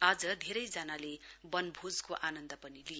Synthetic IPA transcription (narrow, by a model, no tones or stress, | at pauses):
ad͡zʌd̪ʱeɾʌjd͡zanalebʌnbʱod͡zkoʔanʌnd̪ʌpʌnilije